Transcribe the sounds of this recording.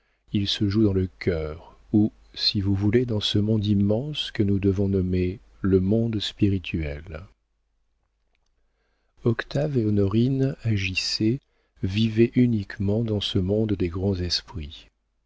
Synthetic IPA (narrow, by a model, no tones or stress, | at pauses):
ilsəʒud̪ɑ̃ləkʲœːʁ | u | sivuvuled̪ɑ̃səmɔ̃d̪imːɑ̃skənud̪əvɔ̃nɔme | ləmɔ̃d̪spiʁit̪ʰɥɛl | ɔkt̪aveɔnɔʁinaʒise | vivɛʔynikmɑ̃d̪ɑ̃səmɔ̃d̪ːeɡʁɑ̃zɛspχi